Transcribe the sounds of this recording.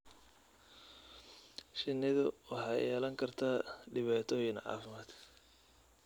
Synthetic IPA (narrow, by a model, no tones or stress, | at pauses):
ʃɪnːɪðʊwɑħɑːjɛːlɐŋkʰɐrt̪ʰaːɖɪβaːt̪ʰɔːjɪnʕɑ̰ːfɪmaːd̪